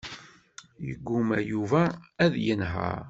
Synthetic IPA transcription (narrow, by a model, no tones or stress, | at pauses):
jə̰ɡʷːumæjuvæːðjənɦə̰ɾ